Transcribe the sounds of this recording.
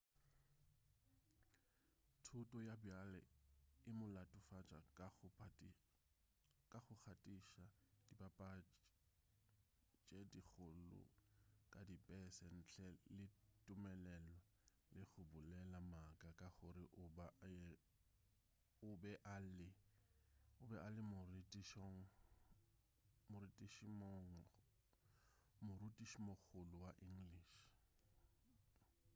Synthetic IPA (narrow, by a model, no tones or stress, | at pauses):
tʰʊtʼɔjabjalɛ̰ɪmʊlatʼʊfat͡ʃʼa̰ | kʼaχʊk͡xʰatʼiʃad̥ibapʼa | t͡ʃʼedik͡xʰʊlʊ̰kʼadipʼɛsɛn̩t͡ɬʰɛlɪtʼʊmɛlɛlɔ | lɪχʊbʊlɛlamakʼakʼaχʊɾɪʔʊba | ʊbɛʔalɪ | ʊbɛʔalɪmʊritʼiʃɔŋ̩ | mʊɾitʼiʃimoŋ̩ | mʊrutʼiʃmok͡xʰʊlʊwaʔiŋ̩liːʃ